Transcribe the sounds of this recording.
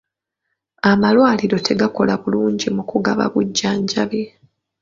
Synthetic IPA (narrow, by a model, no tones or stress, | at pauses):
amalwaːliɾo̞tʰe̞ɡako̞laβuluːɲɟimukuɡaβa̰βuɟːaːɲɟaβe